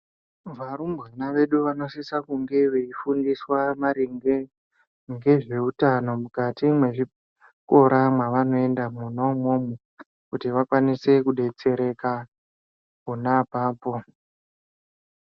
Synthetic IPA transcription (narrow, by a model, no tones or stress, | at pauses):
ʋaɾumbɣanaʋe̞ɗuʋano̞sisakuŋɡe̞ʋeifundiswamaɾiŋɡe | ŋɡe̞ʐe̞utano̞mukatimwe̞ʐi | ko̞ɾamwaʋano̞e̞ndamunomomo | kutiʋakwanise̞kuɗe̞t͡se̞ɾe̞ka | kunapaːpo̞